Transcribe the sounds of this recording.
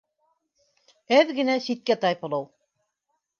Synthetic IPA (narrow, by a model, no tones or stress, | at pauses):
æðɡɘ̆næsit̪̚kæt̪ɑjpɤ̆lˠɤw